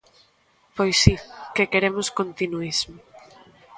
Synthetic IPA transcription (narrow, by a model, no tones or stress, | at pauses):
pojsikekeɾemʊskont̪inuizmo